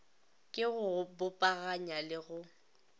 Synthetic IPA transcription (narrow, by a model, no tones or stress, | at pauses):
kʼɪɣʊbʊpʼaɣaɲalɪɣʊ